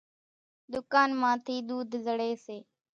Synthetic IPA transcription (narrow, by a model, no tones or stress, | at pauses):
d̪ʊkaːnmãːt̪ʰiːɗ̪uːd̪ʱzəɽeːseː